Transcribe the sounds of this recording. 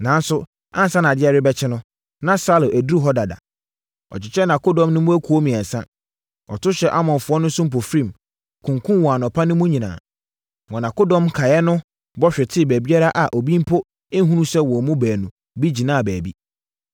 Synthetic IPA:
nã˨˦n˦sʊ˦ | ã˦n˨sã˦n˨a˨dɪ˦ɛ˨ɾɪ˦bɛ˦t͡ɕʰɪ˦nʊ̃˦ | nã˦sa˦lʊ̃˨ʔæ˨du˦ɾu˦ɦɔ˦da˨da̰˨ | ɔ̰˨t͡ɕɪ˨t͡ɕʰɛ˦nã˨ko˦dɔ̃˨mnʊ̃˦mʊ̃˦æ˦kʰu˨o˦mĩ˨ɛ̃˨n˨sã̰˦ | ɔ˨tʊ˦ɕɛ˨ʔa˦mɔ̃˨nfʊ˨˦ɔ˦nʊ̃˦sʊ̃˦m̩˦p̬o˨fɾĩ˦˨m | kʰʊ̃˨ŋkʰʊ̃˦wɔ˨a˨nɔ̃˨pʰa˦nʊ̃˦mʊ̃˦ɲĩ˨nã̰ː˨ | ŋɔ̃˨nã˨ko˦dɔ̃˦mkʰa˨jɛ˦nʊ̃˦ | bɔ˦ɕᶣɪ˨tʰɪ˦˨bæ˨bi˦a˦ɾa˦ʔa˨ʔo˨bĩ˦m˦pʰo˦ | ɪ̃˦ɦũ˦nũ˦sɛ˦wɔ˨mũ˦bæː˨nũ˨ | bi˦d͡ʑi˨nãː˦˨bæː˨bi˦

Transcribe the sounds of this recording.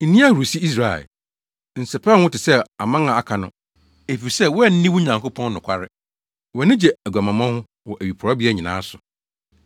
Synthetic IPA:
n̩˨nĩ˦a˦˨ɾu˨si˦i˦s̬ɾa̰˨ | n̩˨sɛ˨pʰa˦wʊ̃˦tɪ˨sɛ˦a˨mã˦ã˨a˨kʰa˨nʊ̃˦ | e˨fi˨sɛ˦˨wɔ˦ɛ˦˨n̩˦nĩ˦wʊ˦ɲã˨ŋko˦pʰɔ̃˦n˦nʊ̃˨kʷʰa˦ɾɪ˦ | wɛ˨nɪ̃˦d͡ʑɛ˨æ˨ɡʷa˨mã˨mã˦hʊ̃˦ | wɔ˨ʔæ˨ɥi˨pʰʊ˨ɔ˦bi˦ɛ˦ɲĩ˨nã̰ː˦sʊ˨

